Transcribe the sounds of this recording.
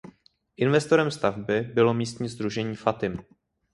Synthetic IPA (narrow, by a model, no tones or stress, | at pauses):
ʔɪnvɛst̪o̞ɾɛmst̪avbɪbɪlo̞miːst̪ɲiːzd̪ɾuʒɛɲiːfat̪ɪm